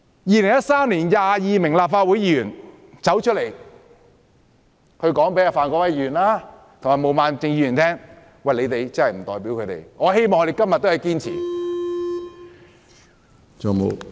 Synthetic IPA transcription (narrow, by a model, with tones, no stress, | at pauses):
jiː˨˧lɪ˨˩ŋjɐ˥t̚saː˥mnliː˨˩njaː˨˧jiː˨˧mɪ˨˩ŋlaː˨p̚faː˧t̚wu˨˥jiː˧jyː˨˩n | t͡sɐ˨˥wt͡ʃʰt̚le˨˩j | kʰɵ˨˧ɥkɔː˨˥ŋpe˧˥jaː˧˩faː˨˧nkɔ˧wɐ˧˥jiː˧y˨˩nlaː˥t̪ʰo˨˩ŋmaː˨˩mo˨˧wmaː˨˧nt͡sɪ˨˧ŋjiː˧jy˨˩nt̪ʰɛː˥ŋ | wɐ˨jle˨˧jt̪e˨jt͡sɐ˥hɐ˨jm̩˨˩t̪ɔː˨jpi˨˥wkʰɵ˨˧t̪ḛ˨˩jŋɔː˨˧ɦe˥jmɔː˨ŋkɔ˧e˨˩kɐ˥mjɐ˨t̚t̪ːo˥hjkiː˥nt͡sʰḭ˨˩ | t͡so˨˩mo̰˨˧